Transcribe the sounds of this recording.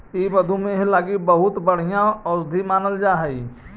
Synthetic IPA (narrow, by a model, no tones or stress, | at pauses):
iːbəd̪ʱumẽɦelaːɡibəɦʊt̪bəɽ̤ijãɔːsd̪ʱimaːnəld͡ʒaːɦɛi